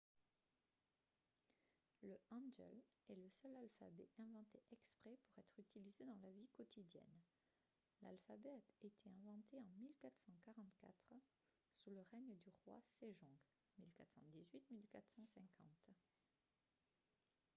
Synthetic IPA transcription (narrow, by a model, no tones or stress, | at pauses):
ləɑ̃nd͡ʒɛ̰lɛləsœlalfabɛʔɛ̃vɑ̃t̪eʔɛkspχɛpuʁɛt̪χyt̪ilized̪ɑ̃lavikɔt̪ʰid̪jɛ̰n | la̰lfabɛet̪ʰeɛ̃vɑ̃t̪eɑ̃milkat̪χsɑ̃kaʁɑ̃t̪ka̰t̪χ | suləʁɛɲd̪yʁwa̰seʒɔ̃ɡ | milkat̪χsɑ̰̃d̪izɥit̪milkat̪χsɑ̃sɛ̃kʰɑ̰̃t̪